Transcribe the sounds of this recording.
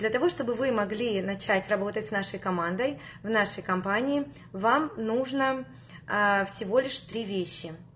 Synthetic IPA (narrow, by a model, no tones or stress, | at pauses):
d̪lʲɐt̪ɐvo̞ʂt̪obɨvɨmɐɡlʲinɐt͡ɕætʲrɐbo̞t̪ətʲsnaʂəjkɐmand̪əjvnaʂəjkɐmpanʲɪɪ | vamnuʐnə | fsʲɪvo̞lʲɪʂt̪ɾʲivʲeɕːɪ